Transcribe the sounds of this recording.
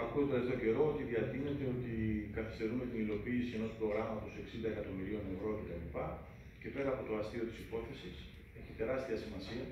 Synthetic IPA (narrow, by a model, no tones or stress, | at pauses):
ɐkuet̪oɾɐzðoce̞ɾo̞ot̪iðiɐt̪iɣne̞t̪e̞o̞t̪ikɐθi̥st̪e̞ɾume̞t̪inilo̞piːsie̞no̞spɾo̞ɣɾɐmɐt̪o̞se̞ksind̪ɐe̞kɐt̪o̞miɾio̞ne̞vɾoce̞t̪ɐlipɐ | ce̞pe̞ɾɐːpo̞t̪o̞ɐst̪io̞t̪i̥sipo̞θe̞sis | e̞çit̪e̞ɾɐst̪iɐsimɐsiɐ